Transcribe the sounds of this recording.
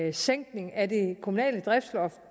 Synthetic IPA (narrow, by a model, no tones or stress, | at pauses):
seŋ̰ɡ̥ne̝ŋæd̥e̝kʰomunɛ̰ːləd̥ʁɛfd̥slɒf